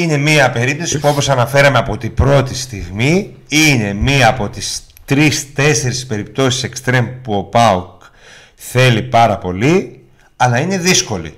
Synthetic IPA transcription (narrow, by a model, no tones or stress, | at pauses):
ine̞miɐpe̞ɾip̚t̪o̞si̥puo̞po̞sɐnɐfe̞ɾɐmeɐpo̞t̪ibɾo̞t̪ist̪iɣmi | ine̞miɐɐpo̞t̪is | t̪ɾist̪e̞se̞ɾispe̞ɾip̚t̪o̞si̥se̞kst̪ɾe̞mpuo̞pɐuk | θe̞lipɐɾɐpo̞li | ɐlɐine̞ðisko̞lḭ